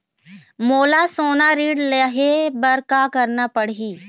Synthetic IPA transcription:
moːlasoːnaɾiːɖleɦebɐɾkakɐɾnapəɽɦiː

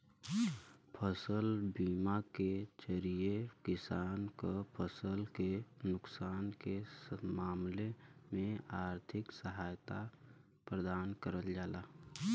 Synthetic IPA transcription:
pʰəsəlbiːmaked͡ʒəɾiekɪsaːnkapʰəsəlkenʊksaːnkemaːmlemẽaːɾt̪ʰɪksəɦaːjt̪a | pɾəd̪aːnkəɾəld͡ʒaːlaː

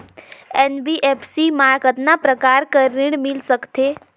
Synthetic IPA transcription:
enbiʔepʰsimaːɾkət̪napɾəkaːɾkəɾɪɽmɪlsəkt̪eː

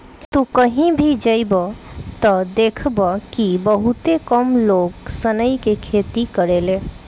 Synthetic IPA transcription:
t̪ũkəɦĩbʱid͡ʒəjbət̪ɔd̪ekʰbəkibəɦut̪ekəmloɡsənəjkekʰet̪ikəɾele

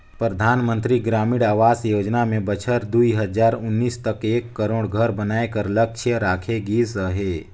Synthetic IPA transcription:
pɾəd̪ʱaːnmə̃nt̪ɾiɡɾaːmɪɽaːʋaːsjoːd͡ʒnamẽbət͡ʃʰəɾd̪uiɦəd͡ʒaːɾʊnːiːst̪əkeːkːəɾoːɽɡʱəɾbənaːekəɾlək̚t͡ʃʰəɾaːkʰeɡiːsəɦeː

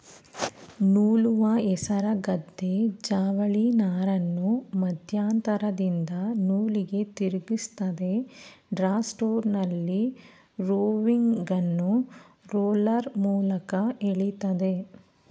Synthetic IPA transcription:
nuːluʋɐɛsɐɾɐɡɐd̪ːe̞d͡ʒaːʋɐɭinaːɾɐnːumɐd̪ʱjaːnt̪ɐɾɐd̪ind̪ɐnuːliɡe̞t̪iɾuɡist̪ɐd̪e̞ | ɖɾaːsʈoːɾnɐlːi | ɾoːʋiŋɡɐnːu | ɾoːlɐɾmuːlɐkɐeɭit̪ɐd̪e̞

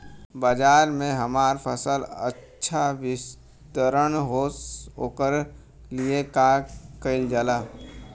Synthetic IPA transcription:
bad͡ʒaːɾmẽɦəmaːɾpʰəsələ̰ː | ʃʰawɪs | t̪əɾəɽ̃ɦookəɾ | liekakəɪld͡ʒaːlaː

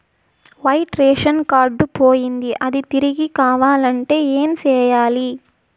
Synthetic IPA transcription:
ʋɐjʈɾeːʂɐnkaːɾɖupoːjind̪iʔɐd̪it̪iɾiɡikaːʋaːlɐɳʈe̞ːeːmt͡ʃɛːjaːli

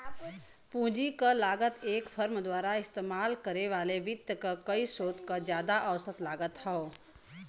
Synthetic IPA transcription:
pũːd͡ʒikalaːɡət̪eːkpʰəɾmd̪waːɾaɪst̪eːmaːlkəɾeʋaːleʋɪd̪jəkakəisoːt̪kad͡ʒjaːd̪aʔəʋsət̪laːɡət̪ɦɛo

